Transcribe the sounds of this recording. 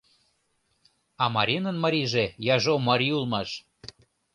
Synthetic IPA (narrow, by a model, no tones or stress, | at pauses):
ɑmɑɾʲinənmɑɾʲiʒejɑʒomɑɾʲiulˠmɑʃ